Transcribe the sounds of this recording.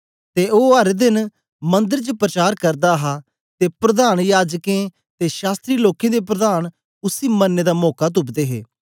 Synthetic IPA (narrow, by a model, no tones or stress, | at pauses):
t̪eoːɦəɾd̪ɪn | mə̃nd̪əɾt͡ʃəpɾət͡ʃaːɾkəɾd̪aɦa | t̪eːpɾəd̪aːnjaːd͡ʒkẽ | t̪eʃaːst̪ɾiːloːkẽːd̪ep̬ɾəd̪aːn | ʊsiːmənːeːd̪amɔːkat̪̬ʊpd̪eːɦḛː